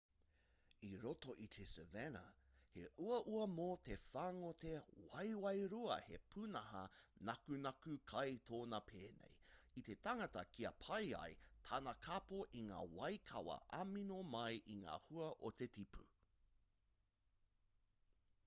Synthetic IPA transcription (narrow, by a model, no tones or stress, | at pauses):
iɾotoʔit̪ʰesevenɐ̰ | hḛʔuɐʔuɐmoːte̞faːŋotewɐjwɐjɾuɐ̰hepʰunɐɦɐnɐkunɐkʉkʰɐjtʰoːnɐpʰeːnḛjit̪e̞taŋɐtɐkʰiɐpʰɐjɐ̰jtʰaːnɐkʰapoʔiŋa̰ːwɐjkʰɐ̰wɐ̰ʔɐminomɐjʔiŋa̰ːhuɐʔot̪e̞tipʰu